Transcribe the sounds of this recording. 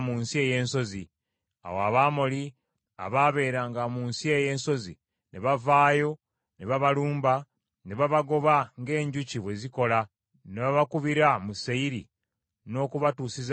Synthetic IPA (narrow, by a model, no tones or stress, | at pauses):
muːnsie̞je̞ːnso̞zi | a̰woaβaːmo̞li | a̰βaːβe̞ːɾaːŋɡamuːnsie̞je̞ːnso̞zḭ | neβavaːjo̞ | neβaβaluːmba | neβaβaɡo̞βaŋɡe̞ːɲɟuciβwe̞ziko̞la | neβaβakuβiɾamuseiɾḭ | no̞ːkuβatuːsiz